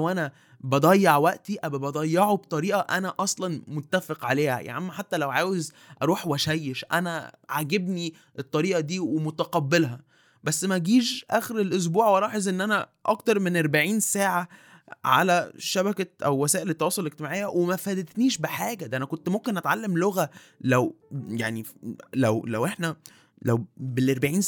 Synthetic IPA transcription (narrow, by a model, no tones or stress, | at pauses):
lwʔænæ | bɑd̪ˤɑjːɑʕwæʔt̪iʔæbæbɑd̪ˤɑjːɑʕobt̪ˤɑɾiːʔɑʔænæʔɑsˤlɑnmot̪ːæfeqʕaleːhæ̰jʔʕʔmːæħat̪ːælæwʕaːwez | ʔɑɾˤuːħwæʃæjːeʃʔæ̰næʕaɡebni | ʔet̪ˤːɑɾiːʔɑd̪iːwemot̪æqɑbːelɦæ | bæsːmæɡiːʃʔæːxeɾelʔos̬buːʕwʔɑɾˤɑːħezʔenːʔænæʔɑkt̪ɑɾˤmenʔɑɾˤbaʕiːnsaːʕa | ʕa̰læʃæbækæʔæ̰wːæsæːʔelet̪ːɑwɑːsˤolʔeɡ̚t̪emaʕejːæwemæfæd̪ed̪niːʃbeħaːɡæd̪æʔænækont̪momkenʔæt̪ʕalːemloɣæ | læwjaʕnilæwlæ̰wʔeħnæ | læ̰wbelʔɑɾˤbaʕiːn